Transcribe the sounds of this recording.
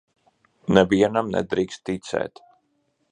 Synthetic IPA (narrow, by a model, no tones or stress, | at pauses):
nɛviɛnamnɛ̰d̪ɾiːkst̪ːit̪sɛ̰ːt̪